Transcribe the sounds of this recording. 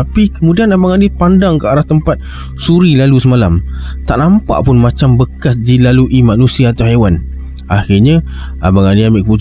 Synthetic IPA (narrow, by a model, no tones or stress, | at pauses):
apikəmudianabaŋanipandaŋkəaɾaht̪əmpat̪̚ | suɾilalusəmalamt̪aʔnampa̰ʔpʊnmat͡ʃambəkasdilaluʔimanusiaːt̪awɦewan | axɪɲa | a̰baŋaniambɪʔkəmu